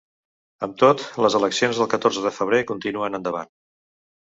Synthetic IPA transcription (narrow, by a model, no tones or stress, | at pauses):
əmt̪ot̪ləzələksionzðəlˠkət̪orzəðəfəβ̞ɾekunt̪inuənənd̪əβa̰n